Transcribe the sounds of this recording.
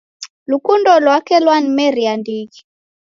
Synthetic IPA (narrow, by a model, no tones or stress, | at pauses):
lukundɔlwakɛlwanmɛɾiandiki